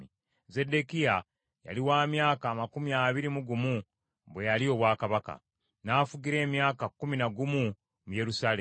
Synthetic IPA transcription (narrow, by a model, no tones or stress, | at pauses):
i | ze̞de̞kija | ja̰liwaːmjaːkaːmakumiaβiɾimuɡumu | βwe̞jalio̞βwaːkaβaka̰ | naːfuɡiɾe̞ːmjaːkakːuminaɡumu | muje̞ɾusaːle